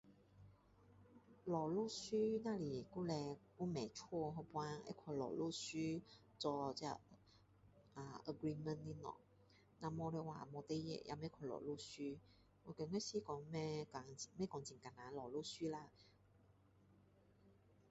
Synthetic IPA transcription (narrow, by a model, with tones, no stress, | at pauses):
lɔ˨˩lu˥˨ɕy˦na˧li˨˩ku˥˨lɛ˧ku˥mɛ˨t͡ʃʰwɔ˥˧˨ɦɔ˧pwã˧nḛ˧˥kʰa˧˨˩lɔ̰˨˩lu˥˧˨ɕy˦ | t͡sɔ˧t͡ɕa̰˧ | a˧˩ə˧ɡɾi˧mə˧˨nli˧nɔ̰˨˩˨ | na˧mɔ˧lɛ˧wa̰˨˩mɔ˧t̪e˧˦jḛ˨jʔa̰˧mẽ˧˦kʰa˧˩lɔ̰˨˩lu˥˧ɕy˦ | wɔ˧˦ke˧˦ŋwe˥˦ɕi˦˨kɔ˨˦ŋmɛ˧˩˨mɛ̃˥˦˨kɔ˨˧ŋt͡ɕĩ˨˩ŋka˨˩na˨˦lɔ˨˩lu˥˧˨ɕy˦la˧